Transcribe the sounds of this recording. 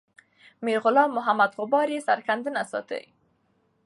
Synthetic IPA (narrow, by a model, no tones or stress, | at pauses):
miɾɣʊlɑmːʊɦamad̪ɣʊbɑɾisaɾkand̪ənasɑ̰t̪ə̰j